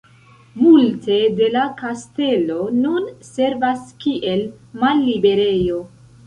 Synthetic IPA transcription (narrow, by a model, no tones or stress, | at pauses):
multe̞de̞lakaste̞lo̞nunse̞ɾvaskiʔe̞l | malːibe̞ɾe̞jo̞